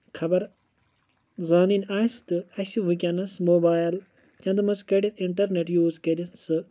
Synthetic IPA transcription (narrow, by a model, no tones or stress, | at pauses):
kʰɐbɐɾ | zaːninʲaːst̪ɨɐsuʋikʲɐnɐsmoːbaːjl | t͡ʃɐ̃nd̪mɐskeɖit̪ʰiɳʈɐɾneʈjuːzkɐɾisɨ